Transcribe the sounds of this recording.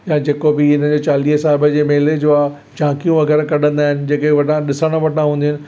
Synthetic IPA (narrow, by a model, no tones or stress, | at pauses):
jãd͡ʑeːkobɪɪn̤əd͡ʑeːt͡ɕaːliːɦəsaːɦɪbəd͡ʑeːmeːled͡ʑoːa | d͡ʑãːkijũʋɐɣɛːɾəkɐɗə̃nd̪aːɦɪnɪ̆d͡ʑeːkeʋɐʈʰãɗɪsəɽ̃ə̃ʋɐʈʰãɦũːnd̪iʊnɪ̆